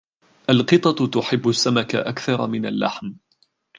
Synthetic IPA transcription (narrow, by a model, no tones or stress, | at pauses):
ʔalqɨt̪ˤɑt̪t̪ʊħɪbːʊsːamaka̰ʔakθɑɾˤɑmɪna̰lːa̰ħm